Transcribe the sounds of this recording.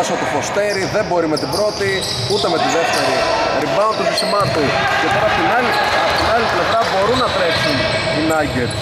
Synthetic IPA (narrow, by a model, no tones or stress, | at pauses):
ɐsot̪ofo̞st̪e̞ɾiðe̞mbo̞ɾimet̪ibɾo̞t̪i | ut̪e̞me̞t̪iðe̞ft̪e̞ɾiɾibɐont̪usisimɐt̪ucet̪oɾɐpot̪inɐliɐpot̪inɐlit̪ilevɾɐbo̞ɾunːɐt̪ɾe̞ksun | inɐɟet̪